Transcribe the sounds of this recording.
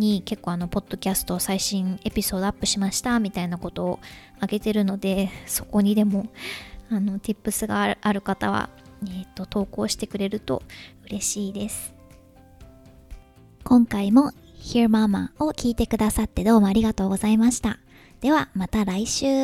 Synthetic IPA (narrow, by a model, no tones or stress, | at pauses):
ɲ̟ike̞kːoːano̞po̞d̪̥ːo̞kʲasɨ̥t̪o̞ːsaiɕĩɰ̃e̞pʲiso̞ːd̪o̞apːɯ̟ɕimaɕi̥t̪amʲit̪ainako̞t̪o̞ː | aɡe̞t̪e̞ɾɯ̟no̞d̪e̞so̞̥ko̞ɲ̟id̪e̞mo̞ano̞t̪ʲipːɯ̟sɨɡaʔaɾɯ̟kat̪a̰β̞a̰et̪ːo̞t̪o̞ːko̞ːɕi̥t̪e̞kɯ̟ɾe̞ɾɯ̟t̪o̞̰ɯ̟ɾe̞ɕiːd̪e̞sɨ̥ | kõ̞ŋkaimo̞ | çiɾɯ̟mama̰okʲiːt̪e̞kɯ̟d̪asat̪ːe̞d̪o̞ːmo̞aɾʲiɡat̪o̞ːɡo̞zaimaɕi̥t̪a | d̪̥e̞βamat̪aɾaiɕɨː